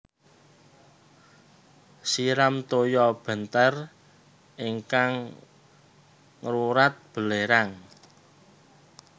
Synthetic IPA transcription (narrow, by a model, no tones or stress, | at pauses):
siɾamt̪ojɔb̥ə̤nt̪ər | ʔiŋkaŋ | ruɾat̪̚b̥ə̤leɾaŋ